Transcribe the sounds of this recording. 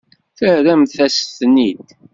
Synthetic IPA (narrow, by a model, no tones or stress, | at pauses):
θəhɾæmθθæsθnːid̪